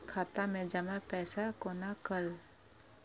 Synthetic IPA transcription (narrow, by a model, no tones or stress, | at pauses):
kʰaːt̪amẽd͡ʒəmapɛːsakoːnakəl